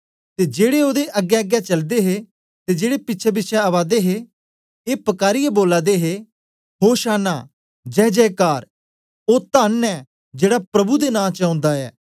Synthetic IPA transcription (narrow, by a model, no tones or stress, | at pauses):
t̪ed͡ʒeːɽeoːd̪eʔɐɡːɛɐɡɛt͡ʃɐld̪eɦe | t̪ed͡ʒeːɽepɪtːʃʰebɪːʃʰɛɐʋaːd̪eɦe | eːpɐkaːɾijeboːlaːd̪eɦe | ɦoːʃaːnaː | d͡ʒɛːd͡ʒɛːkaːɾ | oːt̪aːnɛ | d͡ʒeːɽapɾɐbud̪enãːt͡ʃãːnd̪aɛː